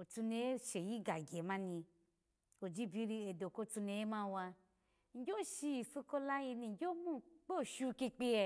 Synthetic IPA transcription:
o˨tu˧ne˧e˦ʃe˨ji˦ɡa˨ɡʲe˨mã˦nĩ˧ | o˨d͡ʒi˦bi˦ɾi˧e˨do˨ko˦tu˧ne˧je˦mã˦˧wa˧ | ŋ̩˨˦d͡ʒʲo˦ʃi˧ji˨si˧ko˦la˦ji˧ni˧ŋ˦d͡ʒʲo˦mũ˦k͡pe˦o˨ʃu˦˧ki˧k͡pi˦˧e˧

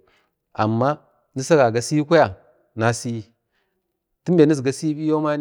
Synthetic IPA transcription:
a̰˨mːa˦ | ni˦sa˦ɡa˨ɡa˨si˦kʷa˦ja˨ | na˨si˦ | ti˦m˦be˨ni˦s̬ɡa˨si˦bi˦jo˦ma˦

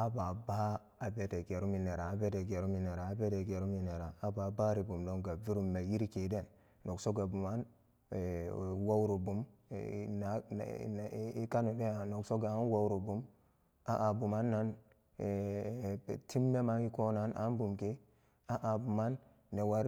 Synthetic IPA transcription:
a˦ba˨ba˦ | a˨be˦te˨ɡe˨ɾu˦mi˨ne˨ɾa˨a˨be˦de˨ɡe˨ɾu˦mi˨ne˨ɾaː˨˦be˦de˨ɡe˨ɾu˦mi˨ne˨ɾaː˨˦ba˨ba˦ɾi˨bu˨mdo˦ŋɡa˨vi˦ɾu˦mːe˨ji˦ɾi˦ke˨˦de˦˨nː | o˨kso˦ɡa˨bu˨ma˦n˨ | wa˦wɾo˨bu˨m̰˨ | na˨˦ | i˦ka˦nu˨de˦a˨no˨kso˦ɡa˨a˦n˦wa˦wɾo˨bu˨m | a˦ʔa˨bu˨ma˦nːa˦n˨ | ti˦mːe˦ma˦i˦ko˦na˦na̰˨˦nbu˨mke˦ | a˦ʔa˨bu˨ma˦nː | e˨wa˦ɾ

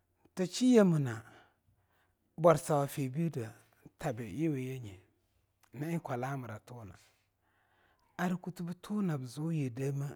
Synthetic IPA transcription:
ta˨t͡ʃi˦je˦mə˨na˨ | ba˨ɾsa˨wa˨fe˨bi˦də˨ | tʰa˨bɪ˨ji˦we˨je˦ɲi˨ | na˦ɪ˦kʷa˨la˦ma˨ɾa˨tu˦na̰˨ | a˨ɾi˨ku˦tu˦bə˦tʰu˦na˨bə˨zu˦je˨da˦ma˦

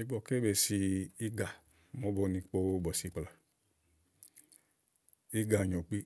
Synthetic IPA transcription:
i˨˦ɡ͡bɔ˨ke˦be˧˨si˧i˦ɡa˨ | mɔ˨˦bɔ˧nĩ˧k͡po˧˦bɔ˨si˧˦k͡pla˨ | i˦ɡa˨ɲɔ˨k͡pi˦

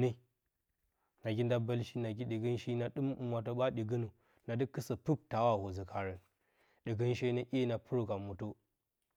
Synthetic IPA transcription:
ni˦ | na˨ɡʲi˦nda˦bːɐ˦lʃi˦na˨ɡi˦ɗi˨ɡi˦nʃi˦na˦ɗɨ˦mu˨mwa˨to˦ba˦ɗi˨ɡi˦nu˨ | na˨du˦kːɨ˦sa˨pu˦p̚ta˨wa˦˨ho˨zi˨kʰa˨ɾi˨ | ɗi˨ɡi˦nʃe˦ne˦ʔʲi˦na˨pu˦ɾu˨ɡa˨mu˨to˦

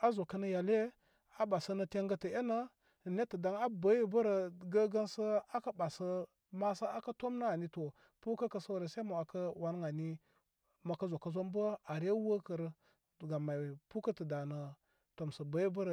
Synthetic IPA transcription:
a˦zo˨kə˦nə˦ja˨le˦ | a˦ba˨sə˦nə˨te˦ŋɡə˦tə˨e˦na˦˨ | ne˦tə˨da˨ŋa˦ba˨˦ji˦bə˦ɾə˨ɡə˦ɡa˦nsə˦a˦ka˦ba˨sə˦ | ma˦sə˦a˦ka˦to˦mna˦a˨ni˦to˨ | pu˦kə˦kə˨sa˦wɾe˨sa˦ma˨wa˨kə˦wa˦n˦ŋa˨ni˦ | ma˨kə˦zo˨kə˦zo˦m˦bə˦a˨ɾe˦wə˦kə˨ɾ | ɡa˨ma˨pu˦kə˦tə˨da˨nə˨ | to˨msə˨ba˨˦ji˦bə˦ɾ

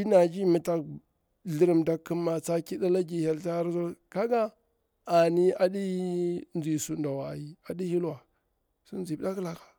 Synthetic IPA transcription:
i˦na˨d͡ʒi˦mi˨ta˨k | ɮi˦ɾi˦˨mda˦kːi˦ma˨t͡sa˦ki˦da˦la˦ɡi˨ha˨lta˦ɾzo˦ka˦ɡaː˦˨ | ni˦a˨di˦nzi˨su˨nda˨wa˨ji˨a˨di˦hi˦lwa˨ | su˦n˦zi˨˦da˦kla˨kḁ˨

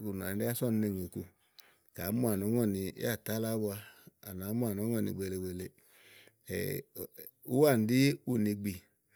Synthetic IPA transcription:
ku˨n˨˧˦de˦a˦sɔ˦˨n˧ne˧˨ŋe˨ku˧ | ka˨˦mu˦˨a˨n˨ɔ˨˦ɔ˦˨nḭ˧˦a˦˨ta˨˦la˦wu˦a˧a̰˨na˨˦mu˦a˨nɔ˨˦ŋ˦ɔ˦˨nḭ˧˨ɡ͡be˧˨le˧˨we˨lḛ˧˨ | u˦wa˦˨n˨di˦u˦˨ni˧ɡ͡bi˨

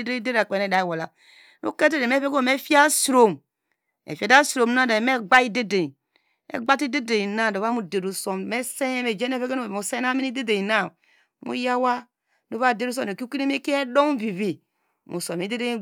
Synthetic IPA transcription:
de˦de˦ɾa˨k͡pe˨ne˦˨da˨wo˨la˨ | nṵ˦ke˦de˦de˨me˦fe˦ɡo˦˨me˦fi˦a˦sɾo˨m | ḛ˨fa˨da˦sɾo˨m˦na˦˨da˨me˦ɡ͡ba˦i˦de˦de˨ | ḛ˨˦ɡ͡ba˦ti˦de˦de˨i˨na˦˨do˨βa˦mu˦˨de˨ɾu˨so˦mme˦se˦e˦me˨d͡ʒe˦ne˦fe˦ɡe˦no˦˨mu˨se˦na˦mi˦ni˦de˦de˨na˦ | mṵ˦ja˦wa˦ | do˨˦βa˦˨de˦ɾu˦s̬o˦˨e˨ku˦ki˦ɾe˦me˦ki˦e˦do˦mvi˨vi˨ | mṵ˨so˨me˨˦de˦de˦

